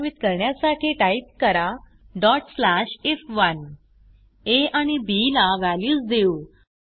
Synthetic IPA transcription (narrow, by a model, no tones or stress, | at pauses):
ʋit̪kəɾɳjasaʈʰiʈaip̚kəɾa | ɖɔʈslaɕefʋən | eañibilaʋaljuːsd̪eu